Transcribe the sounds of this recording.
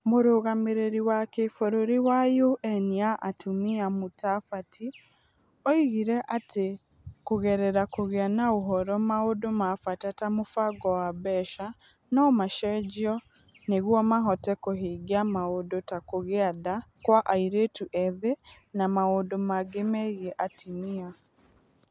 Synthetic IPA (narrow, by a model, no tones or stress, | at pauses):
moɾoɣameɾeɾiwakefoɾoɾiwajoʔɛniaʔatʰumiamotafatʰi | ɔiɣiɾɛʔate | koɣɛɾɛɾakoɣeanaoɦɔɾɔmaodomafatatamofaɡɔwaβɛʃa | nɔmaʃɛd͡ʒiɔ | neɣwɔmaɦɔtɛkoɦiɡiamaodotakoɣeadakwaʔaiɾetuʔɛðe | namaodomaɡemɛɣeʔatʰimia